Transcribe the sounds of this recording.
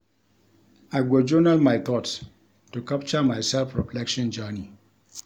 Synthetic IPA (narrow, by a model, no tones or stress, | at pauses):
aɪɡod͡ʒonalmajt̪ʰɔt | tukap̚t͡ʃəmajsɛlfɹɔpʰlɛkʃɔ̃nd͡ʒani